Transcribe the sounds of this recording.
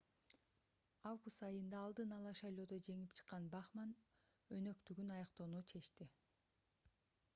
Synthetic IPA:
ɑvɡust̪ɑjɯnd̪ɑːlˠd̪ɯnɑlˠɑʃɑjlˠo̞ːd̪o̞d͡ʒe̞ŋipt͡ʃʰɯ̥qːɑnbɑχmɑn | ø̞nø̞kt̪yɡynɑjɑqt̪o̞nut͡ʃʰe̞ʃt̪i

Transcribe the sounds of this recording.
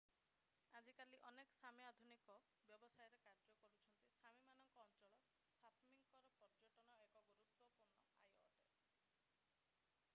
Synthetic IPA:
ad͡ʒikaliʔɔnekɔ̥samjad̪ʱunikɔ | bjɔbɔsajɔɾekaɾd͡ʒɔkɔɾut͡ʃʰɔnt̪isamimanɔŋkɔːnt͡ʃɔɭɔ | sap̪ʰmiŋkɔɾɔpɔɾd͡ʒɔʈɔnɔekɔɡuɾut̪ːɔpuɾnɔa̰jɔʈe

